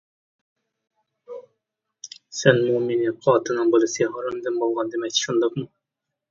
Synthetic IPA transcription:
sɛnmumenɪqʰɑt̪ɨnɨŋbɨlˠɨsjɑɦɑɾɨmd̪ɪmbolˠʁɑnd̪ɪmɛk̚ʲt̪ʰʃund̪ɑqmu

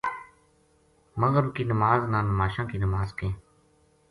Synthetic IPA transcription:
məɣəɾkiːnəmaːznãːnmaːʃãːkiːnəmaːzkẽː

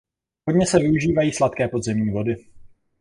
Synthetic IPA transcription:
ɦodɲɛsɛvɪuʒiːvajiːslat̪kɛːpo̞dzɛmɲiːvo̞dɪ

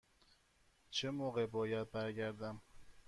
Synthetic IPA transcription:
t͡ʃʰemoːɣebɒːjæd̪̚bæɾɡæɾd̪æm

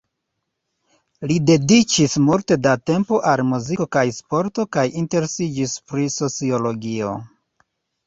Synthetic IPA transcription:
lide̞dit͡ʃismulte̞date̞mpo̞ʔalmuziko̞kajspo̞ɾto̞kajinte̞ɾesid͡ʒispɾiso̞t͡sio̞lo̞ɡio̞̰

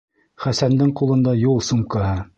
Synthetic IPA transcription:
χæsænd̪ɘɴqulˠɤ̆nd̪ɑjulˠsumqɤhɤ

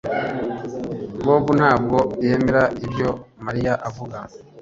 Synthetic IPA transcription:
boːbun̥haːb̚ɡo̞jeme̞ɾaibjo̞maɾijaʔavuɡa

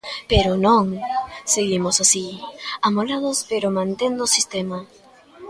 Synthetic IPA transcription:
peɾʊnõŋseɣimʊsasiamolað̞ʊspeɾomãnt̪end̪ʊsist̪ema

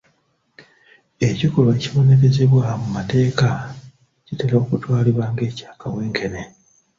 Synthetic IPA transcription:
e̞cikuleciβo̞neɾe̞ze̞βwamumate̞ːka | citelao̞kutwaːliβwaːŋɡe̞ːcḁːkaweːŋkʰe̞ne

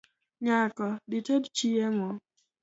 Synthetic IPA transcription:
ɲakɔdɪtedt͡ʃiemɔ

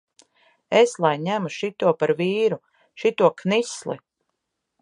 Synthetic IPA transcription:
eslˠajɲæmuʃit̪uɔpaɾviːɾu | ʃit̪uɔknislˠḭ

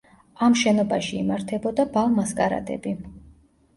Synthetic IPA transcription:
amʃɛnɔbaʃiːmaɾt̪ʰɛbɔd̪abalˠmaskʼaɾa̰d̪ɛ̰bi

